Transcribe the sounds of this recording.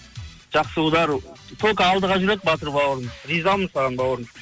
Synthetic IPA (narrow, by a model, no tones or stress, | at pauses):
ʒ̥ɑqsəud̪ɑɾt̪ʰolˠkəɑlˠd̪əʁɑʒʏɾek̚bɑt̪əɾbɑwəɾəmɾizɑlˠmənsɑʁɑnbɑwəɾəm